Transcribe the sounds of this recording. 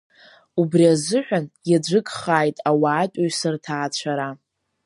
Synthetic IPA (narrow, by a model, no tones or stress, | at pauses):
ubriazɨħʷᶣanjad͡ʒʷɨkʼχaːjtʼawaːtʷʼaɥsɨrtʰaːt͡ɕʷʰaɾa